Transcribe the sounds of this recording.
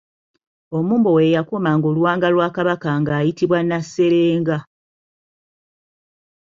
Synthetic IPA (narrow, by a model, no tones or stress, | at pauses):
o̞muːmbowe̞jakumaŋɡoluwaːŋɡalwaːkaβakaŋɡaːjitiβwanasːe̞ɾeːŋɡa